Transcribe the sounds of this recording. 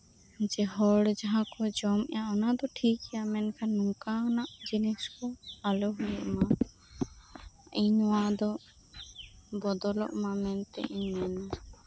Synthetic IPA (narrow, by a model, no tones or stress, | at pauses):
d͡ʒɛɦɔɽd͡ʒaɦãkɔd͡ʒɔmɛ̰jaanad̪ɔʈʰikɛjamɛnkʰanːɔŋkanaʔd͡ʒinɛskɔalɔɦujɔʔma | iɲwãd̪ɔ | bɔd̪ɔlɔ̰ʔmamɛnt̪ɛ̰ʔiɲɛna